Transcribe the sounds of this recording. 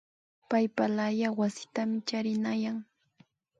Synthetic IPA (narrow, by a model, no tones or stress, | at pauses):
pajpalajawasɪ̥t̪amɪt͡ʃaɾɪnajaŋ